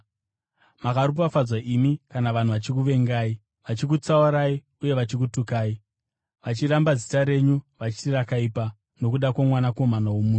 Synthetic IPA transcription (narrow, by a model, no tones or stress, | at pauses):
makaɾup̬afad͡zwaʔimikanaʋan̤uʋat͡ʃik̬uʋe̞ŋɡaːi | ʋat͡ʃik̬ut͡sauɾai | uje̞ʋat͡ʃik̬utukaːi | ʋat͡ʃirambazitaɾe̞ɲuʋat͡ʃi̥tirakaipa | no̞kuɗakwamwanako̞manawomuːu